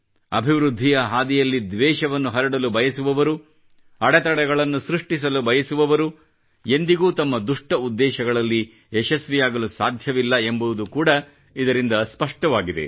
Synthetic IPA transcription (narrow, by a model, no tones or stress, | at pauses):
ɐ̰bʱiʋɾud̪ʱːijɐɦaːd̪ijɐlːid̪ʋɛːʃɐʋɐnːuɦɐɾɐɽɐlubɐjɐsuʋɐʋɐɾu | ɐɽɛt̪ɐɽɛɡɐɭɐnːusɾuʂʈisɐlubɐjɐsuʋɐʋɐɾu | e̞nd̪iɡuːt̪ɐmːɐd̪uʂʈɐud̪ːɛːʃɐɡɐɭɐlːi | ɛʃɐsʋijaːɡɐlusaːd̪ʱjɐʋilːɐe̞mbuʋd̪ukuːɽɐ | id̪ɐɾind̪ɐspɐʂʈɐʋaːɡid̪ḛ